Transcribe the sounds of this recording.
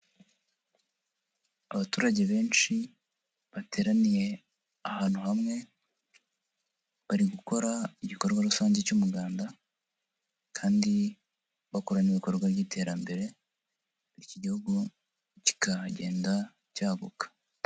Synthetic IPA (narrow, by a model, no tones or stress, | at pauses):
aβatuːɾaɟe̞βe̞ːnt͡ʃi | βatʰe̞ːɾanije̞ | ahaːn̥huhamŋe̞ | βaɾiɡuko̞ɾaiɟiko̞ɾɡwaɾusaːɲzecumuɡaːnda | kʰaːndi | βako̞ɾaniβiko̞ɾɡwaβɟiːtʰe̞ːɾambe̞ɾe̞ | iciɟihuɡu | ci̥kʰaɟe̞̰ːnda | caːβṵkḁ